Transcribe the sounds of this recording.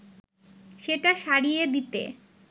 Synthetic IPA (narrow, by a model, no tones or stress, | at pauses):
ʃeʈaʃaɽijed̪it̪ḛ